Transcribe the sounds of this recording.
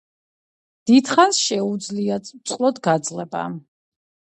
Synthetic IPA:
d̪̥id̪χansʃɛud̪zliaut̪sʼqʼlˠɔd̪ɡad̪zlɛba̰

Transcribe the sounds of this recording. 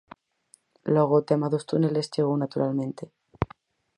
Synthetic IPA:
lweɣ̞ot̪emaðost̪unelesʝeɣ̞ownat̪uɾʔalmẽ̞nt̪e

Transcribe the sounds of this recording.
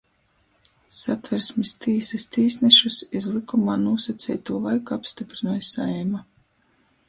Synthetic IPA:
sat̪vɛɾsmist̪iːsist̪iːsnɛʃusizlˠikumaːnuɔsat̪sʲɛːjt̪uːlˠajkuapst̪ipɾinuːjsajma

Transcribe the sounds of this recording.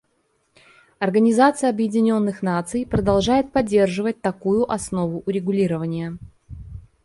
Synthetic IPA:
ɐrɡənʲɪzat̪sɨjəɐbjɪdʲɪnʲo̞nːɨxnat̪sɨjpɾəd̪ɐlˠʐajɪt̪̚pɐdʲːe̞rʐɨvət̚ʲt̪ɐkujʊʔɐsno̞vʊʔʊɾʲɪɡʊlʲiɾəvənʲɪjə

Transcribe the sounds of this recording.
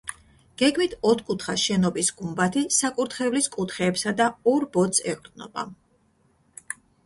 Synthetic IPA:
ɡ̥ɛɡmit̪ʰɔt̪ʰkʼut̪ʰχaʃɛnɔbisɡ̥umbat̪ʰisakʼuɾt̪ʰχɛvliskʼut̪ʰχɛːpsad̪aɔɾbɔt̪sʰɛ̰qʼɾd̪nɔ̰ba̰

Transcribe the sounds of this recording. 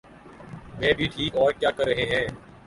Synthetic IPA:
mɛ̃ːbʱiːʈʰiːkɔːɾkjaːkəɾːəɦẽɦɛ̃ː

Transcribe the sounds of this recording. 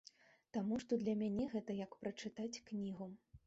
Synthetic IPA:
t̪amuʂt̪ɔd̪lʲɐmʲanʲɛɣɛt̪ɐjɐkpɾɐt͡ʂɨt̪at͡sʲknʲiɣu

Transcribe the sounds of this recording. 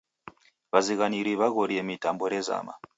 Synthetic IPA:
βaziɣaniɾiβaɣoɾiemitamboɾeza̰ːma̰

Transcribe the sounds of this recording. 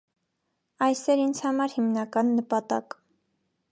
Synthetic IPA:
ɑjsɛɾind͡zʰhɑmɑɾhimnɑkɑnːəpɑt̪ɑ̰k

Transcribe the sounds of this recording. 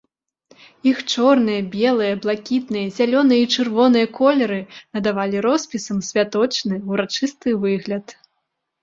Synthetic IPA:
ixt͡ʂɔrnɨjɐbʲɛlˠɨjɐblˠakʲit̪nɨjɐzʲalʲɔnɨjɐit͡ʂɨrvɔnɨjɐkɔlʲɛɾɨnɐd̪avalʲiɾɔspʲisɐmsʲvʲat̪ɔt͡ʂnɨwɾat͡ʂɨst̪ɨvɨɣlʲɐt̪

